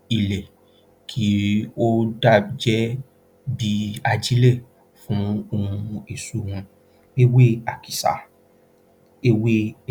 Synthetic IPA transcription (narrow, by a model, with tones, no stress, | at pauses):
i˨lɛ˨ | kʰi˨˦o˦da˦˨d͡ʒɛ˦ | bi˧˦a˧d͡ʒi˦le˦˨ | fũ˨˦o˧ũ˧e˨su˨˦wũ˧ | e˦we˦a˨ki˨sa̰˨ | e˦we˦